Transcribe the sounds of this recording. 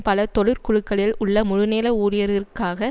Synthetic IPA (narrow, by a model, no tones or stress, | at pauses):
pɐlɐt̪ɔɻɯɾkʊɻɯkːɐɭɪlʊɭːɐmʊɻʊneːlɐuːɾɪjɐɾɪrkːaːɣɐ